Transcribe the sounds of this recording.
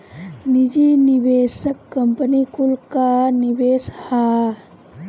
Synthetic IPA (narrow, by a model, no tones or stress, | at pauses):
nid͡ʒiniʋeːsəkːɐmpənikulkaniʋeːsha